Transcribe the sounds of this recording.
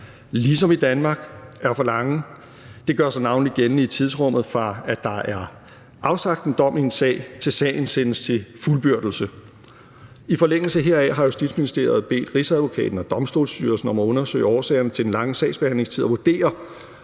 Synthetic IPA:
lisɒ̽mid̥ænmɑ̈ɡ̥æɐfɒ̽lɑ̈ŋə | d̥e̝ɡ̥ɶɐsɑnɑ̈ʊnliɡ̥ennəit͡sʰið̞ˠsʁɔ̽m̰ð̩ˠfɑ̈æ̥d̥ɑ̈ʔæɐ | ʔɑ̈ʊsɑ̈ɡ̥d̥n̩d̥ɒ̽miensɛ̰ːɪt͡sʰe̝lsɛ̰ɪn̩sen̰əst͡sʰe̝fulb̥yɐ̰d̥l̩sə | ifɒ̽leŋ̰l̩səɦe̝ɐæɦɑ̈jo̝sd̥id̥sminisd̥e̝̰ːɐð̞̩ˠb̥e̝̰ːd̥ʁisæðˠʋo̝kʰɛ̰ːd̥n̩ɒ̽d̥ɒ̽msd̥o̝̰ːlsd̥yːɐlsn̩ɒ̽mæɔ̽nɐsø̰ɪəɒːsɛ̰ːɐnət͡sʰe̝d̥enlɑ̈ŋəsɛ̰ːɪsb̥e̝hæn̰le̝ŋst͡sʰið̰ˠɒʋud̥e̝̰ːɐ

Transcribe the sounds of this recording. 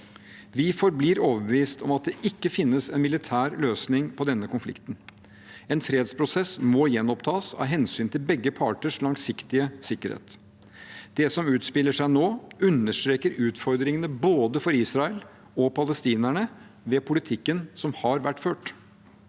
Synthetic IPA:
ʋɪfɔɾbliːɾoːʋəbəʋiːst̪ʰɔmɑt̪̚d̪ɛʔɪkːəfɪnːəsɛnmɪlɪt̪ʰæːɾløːsnɪŋpʰɔd̪ɛnːəkʰʊnflɪ̰kt̪n | ɛnfɾeːd̪spʰɾʊsɛsmɔjɛnːɔpt̪ʰɑːsɑ̰ʋɦɛnsyːnt̪ʰɪlbɛɡːəpʰɑːʈəʂlɑŋsɪkt̪ɪəsɪkːəɾhḛːt̪ | d̪̥ɛsɔmʉːt̪spɪlːəʂæɪnoːʉnːəʂʈ̪ɾeːkəɾʉːt̪fɔɾd̪ɾɪŋənəboːd̪əfɔɾiːsɾɑəl | ɔpʰɑləst̪iːnæɳə | ʋepʰʊlɪt̪ʰɪkːənsɔmhɑɾʋæʈːføːʈ

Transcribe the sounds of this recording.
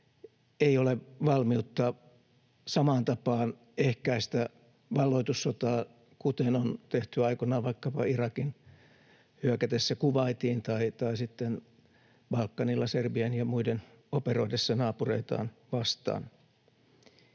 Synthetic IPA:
eioleʋɑlmiut̪ːɑ | sɑmɑːnt̪ɑpɑːn | ehkæist̪æ | ʋɑlːoit̪usːot̪ɑː | kut̪enont̪eht̪yɑikonɑːʋɑikːɑpɑirɑkin | hyækæt̪esːækuʋɑit̪iːnt̪ɑit̪ɑisit̪ːen | b̥ɑlkːɑnilːɑserbienjɑmuiden | operoidesːɑnɑːpureit̪ɑ̰ːnʋɑst̪ɑ̰ːn

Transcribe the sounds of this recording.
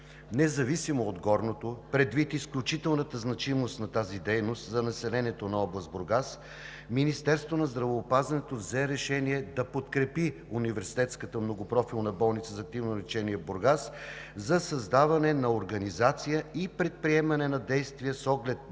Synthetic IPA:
nɛzɐvisimoːd̪ɡɔɾnot̪opɾɛd̪vit̪isklʲut͡ʃit̪ɛlˠnət̪əznɐt͡ʃimost̪nɐt̪azid̪ɛjnost̪zɐnɐsɛlɛniɛt̪onɐɔblˠɐst̪̚boɾɡas | minist̪ɛɾst̪vonɐzd̪ɾɐvoːpazvɐnɛt̪ovzɛɾɛʃɛniɛd̪ɐpot̪kɾɛpiunivɛɾsi̥t̪ɛt̪skət̪əmnoɡopɾɔfilˠnɐbɔlˠnit̪səzɐk̚t̪ivnolit͡ʃɛnijəboɾɡaszɐsɐzd̪avɐnɛnɐoɾɡɐnizat̪sijəipɾɛt̪̚pɾiɛmɐnɛnɐd̪ɛjst̪vijəsɔɡlɛt̪̚

